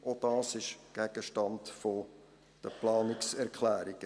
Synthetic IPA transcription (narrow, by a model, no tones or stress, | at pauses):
ʔod̥ɑːsɪʃɡ̥æɡ̥əʃtɑndfo | d̥əplɑːnɪksɛɾkʰlæːɾiɡ̥ə